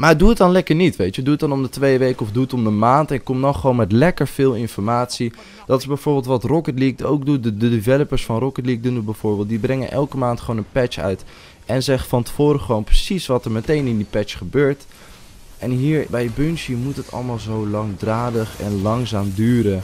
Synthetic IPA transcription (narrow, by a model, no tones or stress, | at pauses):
maːəduət̚dɑnlɛkəɹnitʋejtəduət̚dɑnɔmdətʋejəʋejkəɔfduətɔmdəmaːntɛnɪkːɔmdɔχəʋownmɛtlɛkəɹv̥ɪːlˠɪnfɔɹmaːtsi | d̥ɑtɪzbɛjvoːɹbɪːlˠtʋɑtrɔkətlik̚o̰wk̚dudədədivɛləpəɹsfɑnrɔkətliːk̚dunubɛjv̥ʊːɹbɪːlˠt̚dibrɛŋə̰nʔɛ̰lˠkəmaːntχəʋownənpɛt͡ʃœ̰ɥt | ɛnzɛχəfɑntə̥foːɾəχəʋownprəsisʋɑtəɹmətejnɪndipɛt͡ʃχəbøːɹt | ʔɛnɦiːɹbɛjəbɵnsimutɦətʰɑ̰lˠmaːlˠzowlɑŋdraːdəχɛ̰nlɑŋzaːmdyːɾə